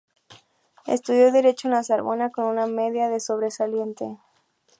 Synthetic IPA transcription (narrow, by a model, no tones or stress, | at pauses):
ḛst̪uðjo̞ðeɾe̞t͡ʃoenasaɾβo̞̰nako̞nuname̞ðjaðe̞so̞β̞ɾe̞salje̞nt̪e̞